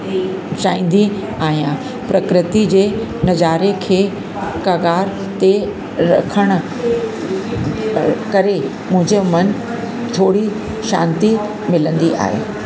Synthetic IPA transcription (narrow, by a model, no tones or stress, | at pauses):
t͡ɕaːĩːn̆d̪i | aːɦijã | pɾɐkɾɪt̪id͡ʑeːnɐd͡ʑaːɾekʰeː | kaːɡaːɾ | t̪e | ɾɐ̰kʰəɽ̃ʊ̆ | kɐɾe | mʊ̃ɦɪ̃ɲd͡ʑemɐn | t̪ʰoːɽi | ʃã̰ːnt̪i | mɪlə̃nd̪iʔa̰ːɦḛː